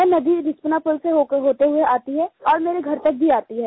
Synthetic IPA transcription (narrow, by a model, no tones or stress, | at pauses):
ɛnɐd̪iɾɪspnapʊlseoɦoːt̪eɦʊeaːt̪iɦɛːɔːɾmeːɾeɡʱɐɾt̪ɐk̚bʱiaːt̪iɦɛː